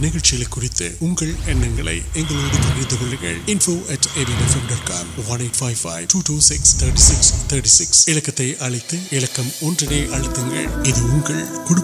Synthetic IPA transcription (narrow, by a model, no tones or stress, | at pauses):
nɪɣɐɭt͡ʃɪjɐlɐkːʊrɪt̪ːɯ̰ʊŋɡɐɭɛnːɐŋɡɐɭɐ̰ɪɛŋɡɐɭoːɽɯt̪ːɐɣɪɻðɯɣɐlɐɾɣɐ̰ɭɪnfoːʔɐʈeɾinɐfɐmɖɐːʈka̰ːmʋɐneːʈfaɪʋfa̰ɪʈuːʈuːsɪkst̪ʰɐːɾʈisɪkst̪ʰɐɾʈisɪksɪɻɐkːɐt̪ːɐɪʔɐɻɐɪt̪ːɯɪɻɐkːɐmɔndrɐneːʔɐɻɪt̪ːɯŋɡɐ̰ɭɪðɯʊŋɡɐɭkʊɽɯ